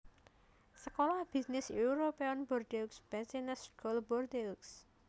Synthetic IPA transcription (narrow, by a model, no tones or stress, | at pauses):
səkɔlahb̥isnɪsuuɾopeɔnbɔrd̪eksb̥ɛsinəsɡɔlbɔrd̪eks